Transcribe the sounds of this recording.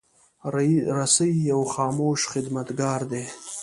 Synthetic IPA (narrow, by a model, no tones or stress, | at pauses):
ɾasajijawχɑːmoʃχɪd̪mat̪ɡɑːɾd̪e